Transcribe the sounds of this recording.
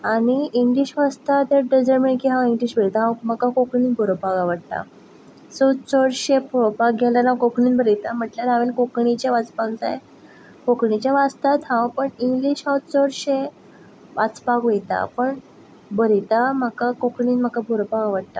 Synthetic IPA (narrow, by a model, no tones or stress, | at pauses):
añiiŋɡliɕʋast̪at̪eɖed͡zəɾminkiɦãwiŋɡliɕbəɾit̪aɦãwməkakokɳiːnbʱoɾopakaʋəɽt̪a̰ | sot͡səɽɕeboɾopak̚ɡʱɛlanãkokɳiːnbəɾit̪am̤əʈljaɾaʋenkokɳit͡ɕaʋat͡spaɡt͡sa̰j | kokɳit͡ɕaʋast̪at̪ɦãwpəɳiŋɡliɕɦãwt͡səɽɕe | ʋat͡spakʋojt̪a̰pəɳ | bəɾit̪am̤əkakokɳiːnm̤əkabʱoɾopakaʋəɽt̪a̰